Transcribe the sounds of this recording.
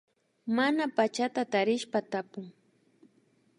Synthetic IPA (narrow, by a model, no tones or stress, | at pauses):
manapat͡ʃat̪at̪aɾɪʃpat̪apʊŋ